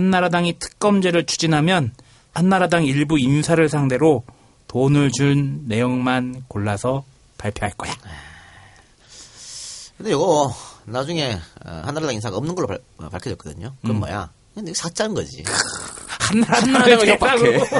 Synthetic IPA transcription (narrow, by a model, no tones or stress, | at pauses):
hanːaɾadaŋitʰɯ̥k̚k͈ʌmd͡ʑe̞ɾɯɭt͡ɕʰu̥d͡ʑinɦamjʌn | hanːaɾadaŋiɭbuinsʰaɾɯɭsʰaŋde̞ɾo | tonɯɭt͡ɕuɭnːe̞joŋmankoɭːasʰʌ | paɭpʰjʌɦaɭk͈ʌjae | kɯnd̪ejʌɡʌnad͡ʑuŋe̞ʌ̰hanːaɾadaŋinsʰaɡaʌmnɯnɡʌɭːopʌ̰pa̰ɭkʰjʌʌtkʌdɯɲokɯɾʌmɡʌ̰ja̰ | ɯeniɡesʰat͡ɕ͈anɯnɡʌ̰d͡ʑḭkhanːaɾadaaŋaɡ